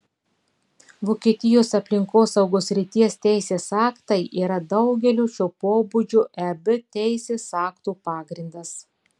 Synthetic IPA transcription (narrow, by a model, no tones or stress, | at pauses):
ʋoːkʲiɛt̪ʲɪjoːsɐpʲlʲɪŋkoːsɐʊɡoːsʲɾʲɪt̪ʲiɛst̪ʲæɪsʲeːsɑːkt̪ɐɪʔiːɾɐd̪ɐʊɡʲɛlʲuːʃʲoːpoːbʊd͡ʒʲʊʔɛbʲɪt̪ʲɛɪsʲeːsɑːkt̪uːpɑːɡɾʲɪnd̪ɐs